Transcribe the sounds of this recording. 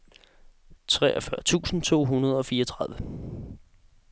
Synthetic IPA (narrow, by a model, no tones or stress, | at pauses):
t͡sʰʁɛ̰ːʔɒfɶɐt͡sʰṵːsn̩t͡sʰo̝̰ːɦunɐð̞ˠɒ̽fiːɐʌɒt͡sʰʁäðˠʋə